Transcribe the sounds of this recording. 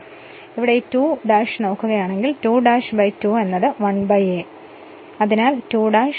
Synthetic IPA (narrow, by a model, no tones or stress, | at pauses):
iʋiɽetuːɖaːʂno̞ːkːuɣɐjaːɳe̞ŋɡiltuːɖaːʂbɐjtuːe̞nːɐðɨʋɐɳbɐje | ɐðinaːltuːɖaːʂ